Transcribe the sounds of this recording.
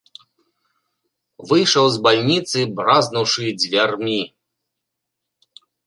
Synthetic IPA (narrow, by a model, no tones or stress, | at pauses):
vɨjʂɐwzbalʲnʲit̪sɨbraznɐwʂɨd͡zʲvʲarmʲi